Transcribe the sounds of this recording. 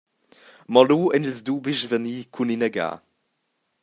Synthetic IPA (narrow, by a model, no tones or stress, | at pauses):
mɔluːɛnilzd̪uːbiʃvəniːkʰuninəɡa̰ː